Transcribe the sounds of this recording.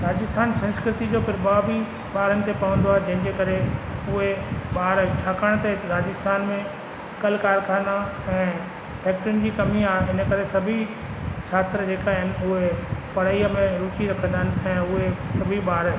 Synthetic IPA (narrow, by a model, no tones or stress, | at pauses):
ɾaːd͡ʑɪst̪ʰaːnsɐ̃nskɾɪt̪id͡ʑopʰɪɾɓaːbi | ɓaːɾənɪ̆t̪epɐʋə̃nd̪oaːɦed͡ʑɐ̃ɦɪ̃ɲd͡ʑekɐɾeʊɦeɓaːɾt͡ɕʰaːkaɽ̃t̪eɾaːd͡ʑɪst̪ʰaːnmẽ | kɐlkaːɾkʰãːna | ɛ̃ː | pɛːk̚ʈɾʊnɪ̆d͡ʑiːkɐmiaːɪnə̆kɐɾesɐbʱi | t͡ɕʰaːt̪ɾəd͡ʑeːkaːɦɪnɪ̆ʊɦepɐɽ̤əiəmẽɾuːt͡ɕiɾɐkʰə̃nd̪aɦɪnɪ̆ɛ̃ːʊɦesɐbʱiɓaːɾ